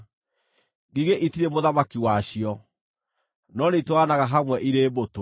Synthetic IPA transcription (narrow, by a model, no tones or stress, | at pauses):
ɡiɣeʔitiɾemoðamakiwaɕiɔ | nɔnetwanaɣaɦamwɛʔiɾeːboto